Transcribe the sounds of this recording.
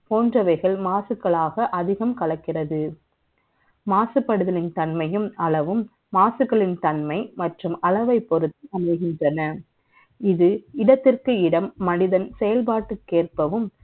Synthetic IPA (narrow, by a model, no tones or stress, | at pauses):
poːndrɐʋɐɪɣɐɭmaːsɯkːɐɭaːɣɐʔɐðɪɣɐmkɐɭɐkːɪrɐðɯ | maːsɯpːɐɽɯðɐlɪnt̪ɐnmɐjɯmɐlɐʋɯmː | aːsɯkːɐɭɪnt̪ɐnmɐɪmɐʈrɯmɐlɐʋɐɪpːɔɾɯt̪ːɯɐmɐɪɣɪndrɐnɐ | ɪðɯɪɽɐt̪ːɪrkɯɪɽɐmːɐnɪðɐnsɛjɐlpaːʈːɯkːeːrpɐʋɯm